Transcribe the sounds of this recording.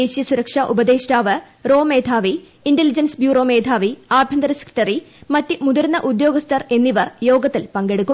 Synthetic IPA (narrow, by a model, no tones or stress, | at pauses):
eːɕijɐsuɾɐkʂaʔubɐd̪eːʂɾaːʋɨ | ro̞ːme̞ːd̪ʱaːʋi | indelid͡ʑɐnsbjuːro̞ːme̞ːd̪ʱaːʋiaːbʱjɐnd̪ɐɾɐse̥krɐ̥ʈːɐrimɐtːɨmuðɐrnːɐʔud̪jo̞ːɡɐst̪ʰɐre̞nːiʋɐrjo̞ːɡɐt̪ːilpɐŋɡeɽukːum